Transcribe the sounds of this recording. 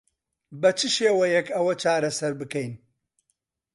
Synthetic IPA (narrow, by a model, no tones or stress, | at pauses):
bɐt͡ʃʰɨʃeːwɐjɛkɐwɐt͡ʃʰaːɾɐsɐɾbɨkɛjn